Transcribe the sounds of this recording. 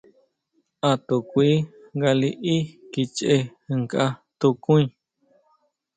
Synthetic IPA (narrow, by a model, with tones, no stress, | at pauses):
a˧t̪u˨kʷi˦ | ŋɡa˧li˧ʔi˦ki˧t͡ʃʔe˧ɨ˧ŋka˦t̪u˧kũ˦ĩ˧